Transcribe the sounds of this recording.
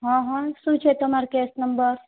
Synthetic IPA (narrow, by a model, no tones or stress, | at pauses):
ɦɔ̃ɦɔ̃sut͡ʃʰet̪əmaɾkesnɐmbəɾ